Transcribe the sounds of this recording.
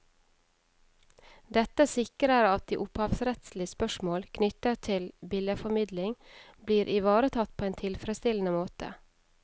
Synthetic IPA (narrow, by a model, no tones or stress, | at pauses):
d̪ɛt̪əsɪkɾəɾɑt̪̚d̪ḭːʔʊphɑʋsɾɛt̪slɪəspœʃmoːlkʰnʏt̪ət̪ʰɪlbɪljəfɔmɪd̪lɪŋ | bliːɾʔɪʋɑːɾət̪ʰɑt̪̚pʰoːeːnt̪ʰɪlfɾəst̪ɪln̩əmoːt̪ə̰